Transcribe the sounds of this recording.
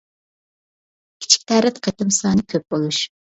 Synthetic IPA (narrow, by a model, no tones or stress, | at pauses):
kʲʰi̥t͡ʃʰi̥kʲt̪ʰæɾɛt̪qʰet̪ɨmsɑːnɨkʲʰøp̚b̥olˠuʃ